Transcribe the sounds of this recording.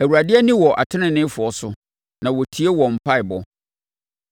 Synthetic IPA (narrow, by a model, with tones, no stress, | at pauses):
æ˨wuɾa˨dɪ˦ɛ˦nĩ˦wɔ˨ʔa̰˨tʰɪ̃˦nɪ̃˨nɪ̃˦fʊ˨ɔ˦sʊ˦ | nã˨wɔ˨tʰi˨˦e˦wɔ˨m̩˨pʰa˦ɪ˨bɔ˨